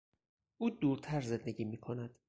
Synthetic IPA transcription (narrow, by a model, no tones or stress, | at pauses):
ʔuːd̪uːɾt̪ʰæɾze̞nd̪e̞ɟiːmiːkʰo̞næd̪̥